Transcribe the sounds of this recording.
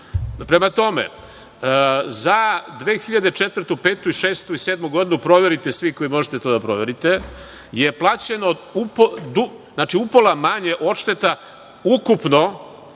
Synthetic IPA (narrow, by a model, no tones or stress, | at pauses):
pɾe̞mat̪o̞mḛ | zad̪ʋeːxiʎad̪et͡ʃet̪ʋɾrt̪upeːt̪uiʃeːst̪uiseːd̪muɡo̞d̪inupɾo̞ʋe̞ɾit̪esʋiko̞jimo̞ʒet̪e̞t̪o̞ːd̪apɾo̞ʋe̞ɾit̪e̞ | jeplˠaːt͡ɕe̞noupod̪u | znaːt͡ʃiupolˠamaɲeʔo̞ʃt̪e̞t̪a | ukupno̞